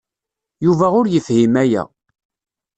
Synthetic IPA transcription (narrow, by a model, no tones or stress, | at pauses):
juvæʊɾjəfhimæjæ̰